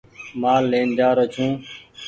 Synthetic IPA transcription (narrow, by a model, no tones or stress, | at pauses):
maːlːeːnd͡ʒaːɾət͡ʃʰũː